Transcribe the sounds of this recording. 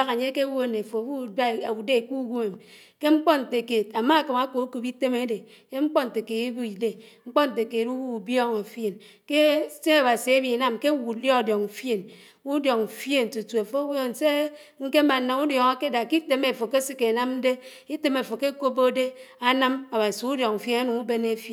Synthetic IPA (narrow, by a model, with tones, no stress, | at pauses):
a˦ka˨ɲe˦ke˦wo˦˨ne˨fo˨wu˦˨da˦˨a˨wu˨de˦˨ku˦ɡu˦me˨m | ke˦ŋ͡m̩˦k͡pɔ˦n̩˨te˨ke˨t̚a˨ma˦˨ka˨ma˦ko˨˦ku˨pi˦te˦me˦de˨ | ke˦ŋ͡m̩˦k͡pɔ˦n̩˨te˨ke˨ti˦bu˦i˨de˨ŋ͡m̩˦k͡pɔ˦n̩˨te˨ke˨tu˦wu˦u˨bjɔ˦ŋa˨fje˨n | ke˦se˦a˨ba˨si˨e˦bi˨na˦mke˦wu˨dɔ˦a˨djɔ˨ŋ̩˨fje˨n | u˦djɔ˨ŋ˨fje˦˨n˨tu˨tu˨e˨fo˦wo˦n̩˨se˦ | ŋ̩˦ke˦ma˨na˨u˦djɔ˨ŋa˦ke˦da˨ki˦te˦me˨fo˨ke˦si˦ke˨na˦mn̩˦de˦ | i˦te˨me˨fo˨ke˦ko˦bo˦de˦a˦na˦ma˨ba˨si˨u˦djɔ˨ŋ̩˨fe˦na˦nu˨ŋu˦be˦ne˦fe˦˨